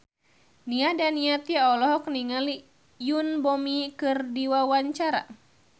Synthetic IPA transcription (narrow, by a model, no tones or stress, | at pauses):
niadaniat̪iaɔlɔɦɔkniŋali | junbɔmikɨrdiwawaɲt͡ʃaɾa̰